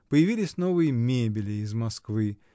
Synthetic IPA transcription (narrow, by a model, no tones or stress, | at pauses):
pəjɪvʲilʲɪsʲno̞vɨjəmʲebʲɪlʲɪːzmɐskvɨ